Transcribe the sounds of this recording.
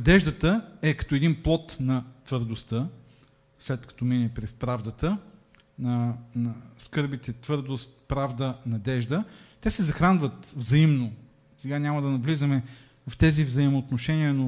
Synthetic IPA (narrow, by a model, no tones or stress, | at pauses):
nɐd̪ɛʒd̪ət̪əɛkɐ̥t̪oɛd̪inplˠɔt̪nɐt̪vəɾd̪ost̪ə | slɛt̪kɐ̥t̪ɔminɛpɾɛspɾavd̪ət̪ə | nɐnɐskɤɾbit̪ɛt̪vɤɾd̪ost̪pɾavd̪ənɐd̪ɛʒd̪ət̪ɛsɛzɐxɾanvət̪vzɐimno | sɛɡanʲamɐd̪ɐnɐvlizɐmɛ | vft̪ɛzivzɐimoːt̪noʃɛniəno